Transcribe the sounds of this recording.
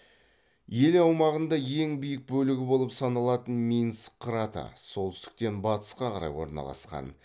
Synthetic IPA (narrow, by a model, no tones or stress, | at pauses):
je̞lɑwmɑʁənd̪ɑje̞ŋbijɪk̚bɵlɪɡʲɪbo̞lˠəpsɑnɑlˠɑt̪ənmʲijnskʰrat̪a̰so̞lˠt̪ʏst̪ɪ̥k̚t̪e̞nbɑt̪ə̥sqɑqʰɑɾɑ̰jwo̞̰ɾnɑ̰lˠɑ̰sqɑ̰n